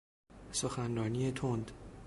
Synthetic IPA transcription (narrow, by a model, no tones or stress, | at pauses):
soxænrɒːnijet̪ʰond̪